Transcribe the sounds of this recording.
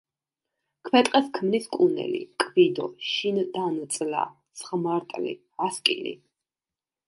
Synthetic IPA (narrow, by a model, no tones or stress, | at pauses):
kʰmɛt̪ʼqʼɛskʰmniskʼunɛ̰lḭkʼvid̪ɔʃind̪ant̪sʼla̰t̪sχmaɾt̪ʼlḭ | askʼḭlḭ